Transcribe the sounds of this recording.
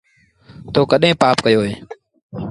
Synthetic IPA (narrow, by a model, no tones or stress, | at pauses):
t̪oːkəɗɦẽːpaːpkəjoːɦeː